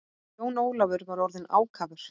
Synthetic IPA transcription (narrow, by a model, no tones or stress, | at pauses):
oːwnoːwlavʏɾvaɾɔɾðɪna̰ːwkʰaːvʏɾ̥